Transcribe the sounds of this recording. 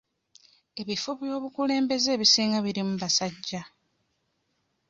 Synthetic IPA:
e̞βifoβjo̞ːβukule̞ːmbe̞ze̞ːβisiːŋɡaβiɾimuβasaɟːa

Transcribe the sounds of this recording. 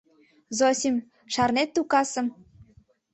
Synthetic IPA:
zosʲim | ʃɑrnet̪ːukɑsə̆m

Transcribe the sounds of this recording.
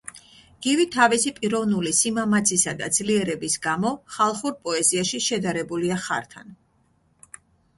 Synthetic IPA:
ɡ̥ivit̪ʰavisipʼiɾɔvnulisimamat̪sʰisad̪a̰d̪zliɛɾɛbisɡamɔχalˠχuɾpʼɔɛziaʃiʃɛd̪aɾɛbuliaχa̰ɾt̪ʰan

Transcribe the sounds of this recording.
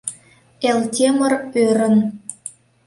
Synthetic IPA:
eltʲemərøɾə̆n

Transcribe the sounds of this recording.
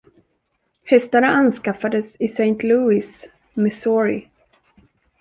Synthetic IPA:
hɛst̪aɳaʔanskafad̪əsɪsɛjnt̪luːɪs | mɪsɔɹɪ̰

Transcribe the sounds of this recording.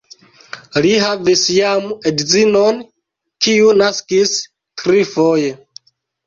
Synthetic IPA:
liɦavisjamedzinon | kiunaskis | tɾifoje

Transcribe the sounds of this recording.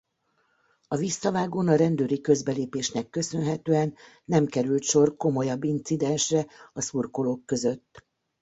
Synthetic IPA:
ɒvisːɒvaːɡoːnɒɾɛnd̪øːɾikø̞zbɛleːpeːʃnɛkːø̞sø̞nɦɛt̪øːɛnː | ɛmkɛɾylt̪ʃo̞rko̞mo̞jɒbːint̪sid̪ɛnʃrɛɒsuːrko̞loːkːø̞zø̞t̪ː

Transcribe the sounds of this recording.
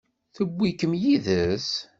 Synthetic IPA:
θəbʷːikəmjiðəs

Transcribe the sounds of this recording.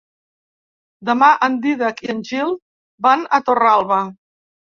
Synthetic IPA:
d̪əmaʔənd̪iðəkiənʲʒilˠ | banət̪oralˠβə

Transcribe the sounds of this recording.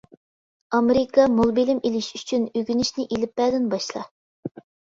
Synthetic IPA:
ɑmeɾɪkɑmolˠbelɪmelɪʃy̥t͡ʃʰynøɡʲynɪʃnɪʔelɪp̚ːɛd̪ɪnbɑʃlˠɑ̰

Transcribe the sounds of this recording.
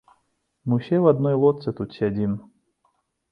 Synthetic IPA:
mɨsʲɛvɐd̪nɔjlˠɔt̪sɨt̪ut̪ʲsʲadʲin

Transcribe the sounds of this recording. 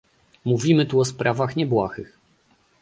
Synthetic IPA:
muvʲimɘt̪uɔspɾʔavaxɲɛbwaxɘx

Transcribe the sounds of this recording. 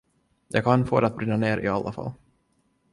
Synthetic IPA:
jʔɑ̰ːɡkʰanfo̰ːd̪ɛat̪̚bɾɪnːaneːɾʔɪ̰alːafa̰lː

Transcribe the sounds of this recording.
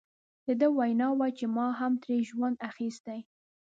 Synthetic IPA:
d̪̥əd̪əwajnɑwat͡ʃemɑɦamt̪ɾeʒwand̪axist̪aj

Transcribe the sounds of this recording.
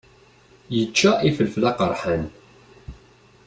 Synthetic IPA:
jət͡ʃːaʔifəlflɑqəɾˤħən

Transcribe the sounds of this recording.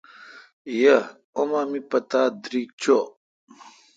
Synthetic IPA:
jɐ | omaːmipɐt̪aːd̪ɾiːk̚t͡ɕʰo

